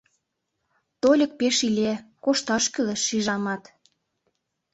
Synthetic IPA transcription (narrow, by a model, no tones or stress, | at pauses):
t̪olʲə̆k̚peʃilʲekoʃt̪ɑʃkyleʃːiʒɑmɑt̪